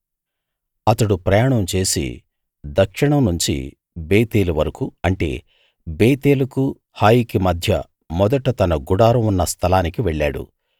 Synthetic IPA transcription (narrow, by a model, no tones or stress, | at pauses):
ɐt̪ɐɽupɾɐjaːɳɐmt͡ʃe̞ːsḭ | d̪ɐkʂiɳɐmnuɲt͡ʃḭ | beːt̪eːluʋɐɾɐkuɐɳʈe̞̰ː | beːt̪eːlɐku | haːjikimɐd̪ʱjɐ̰ | mɔd̪ɐʈɐt̪ɐnɐɡuɽaːɾɐmunːɐst̪ʰɐlaːnikiʋɛɭːa̰ːɽṵ